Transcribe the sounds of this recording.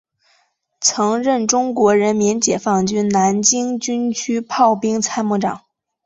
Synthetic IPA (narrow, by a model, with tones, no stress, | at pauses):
t͡sʰɤ˧˥ŋɻə˥˩nʈ͡ʂʊ˥ŋkwɔ˧˥ɻə˧˥nmi˧˥nt͡ɕjɛ˨˩fɑ˥˩ŋt͡ɕy˥nna˧˥nt͡ɕi˥ŋt͡ɕy˥nt͡ɕʰy˥pʰɑ˥˩ʊpi˥ŋt͡sʰa˥ɪmu˧˥˩ʈ͡ʂɑ̰˨˩˦ŋ